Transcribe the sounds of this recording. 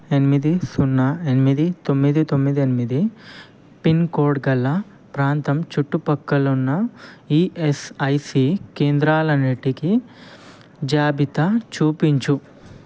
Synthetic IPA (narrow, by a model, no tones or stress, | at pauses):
e̞nimid̪isunːɐenimid̪it̪o̞mːid̪it̪o̞mːid̪ienimid̪i | pinkoːɖɡɐlːɐ | pɾaːnt̪ɐmt͡ʃuʈːupɐkːɐlunːɐiːesɐjsikeːnd̪ɾaːlɐneʈːiki | d͡ʒaːbit̪ɐt͡ʃuːpiɲt͡ʃu